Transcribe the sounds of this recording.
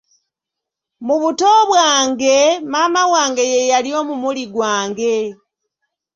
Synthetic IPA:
muβuto̞βwaːŋɡe̞maːmawaːŋɡe̞je̞jalio̞ːmumuliɡwaːŋɡe̞

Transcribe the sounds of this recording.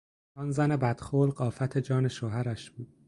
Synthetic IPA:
ɒnzæne̞bæd̪̥xoːlɢɒːfæt̪ʰe̞d͡ʒɒːne̞ʃoːɦæɾæʃb̥uːd̪̥

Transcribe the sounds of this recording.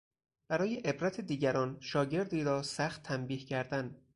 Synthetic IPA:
b̥æɾɒːje̞ʔebɾæt̪ʰed̪iːɟæɾɒːnʃɒːɟe̞ɾd̪iːɾɒːsæxt̪ʰːæmbiːhcʰæɾd̪æn

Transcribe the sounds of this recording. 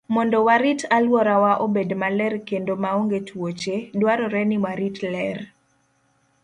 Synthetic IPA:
mɔndɔwaɾitalwɔɾawaʔobedmalɛrkendomaoŋɡetwot͡ʃedwaɾɔɾɛnimaɾitlɛr

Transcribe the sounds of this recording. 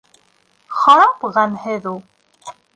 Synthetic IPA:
χɑɾɑpʁɑnhɘðulˠ

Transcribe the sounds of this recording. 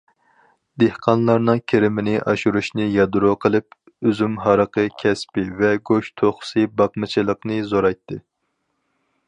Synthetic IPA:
d̪ehqʰɑnlˠɑɾnɨŋkʲʰeɾɪmɪnɪʔɑʃuɾuʃnɨjɑd̪uɾoqʰəlˠɨp̚ | øzymɦɑɾəqəkʲʰɛspɪvɛɡoʃt̪ʰoχʊ̥sɨbɑqmɨt͡ʃʰilˠəqnɨzoɾɑjt̪ʰːɨ

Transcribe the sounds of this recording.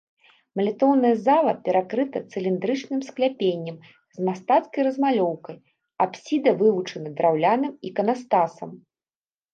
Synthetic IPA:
mɐlʲɛt̪ɔwnɐjɐzalˠɐpʲɛɾakɾɨt̪ɐt̪sɨlʲind̪ɾɨt͡ʂnɨmsklʲapʲenʲːɐm | zmast̪at̪skɐjrɐzmalʲɔwkɐj | apsʲid̪ɐvɨvut͡ʂɐnɐd̪ɾawlʲanɨmikɐnast̪asɐm

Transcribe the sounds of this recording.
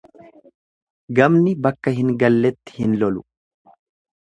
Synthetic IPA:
ɡɐmnɪbɐkːɐhɪŋɡɐlːɛt̪ːɪ̥hɪnlɔlʊ̥

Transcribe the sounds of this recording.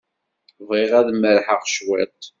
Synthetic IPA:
vʁiʁæðmːəɾħəʁʃwɪt̪ˤ

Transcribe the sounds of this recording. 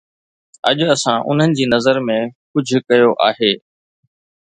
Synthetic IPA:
ɐ̰ʄʊɐsãʔʊ̰n̤ənɪ̆d͡ʑiːnɐzəɾmẽkʊd͡ʑʱʊ̆kɐjoʔaːɦeː

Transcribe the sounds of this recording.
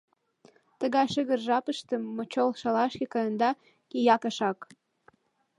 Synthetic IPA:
t̪əɣɑjʃəɣə̆rʒɑpəʃt̪ə̆mːot͡ɕolʃɑlɑʃkʲekɑjənd̪ɑ | kʲejɑkɑʃɑk

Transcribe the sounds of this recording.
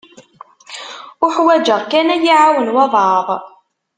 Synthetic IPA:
ʊħwæd͡ʒəʁkænæjiʕawənwɑðˤʕɑðˤ

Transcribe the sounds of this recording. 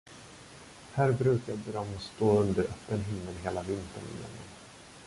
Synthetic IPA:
hæːɾbɾʉ̟ːkab̪ɛɾɔmst̪oːɵnd̪əɾʔœpːənɦɪmːəlɦeːlavɪnt̪ə̰ɳɪ̰jɛ̰nɛ̰n

